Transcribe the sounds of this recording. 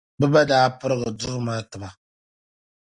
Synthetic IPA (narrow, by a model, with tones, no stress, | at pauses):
bɨ˦ba˦daː˦pɨ˦ɾɨ˦ɡɨ˨dʊ˦maː˦tɨ˨ma˨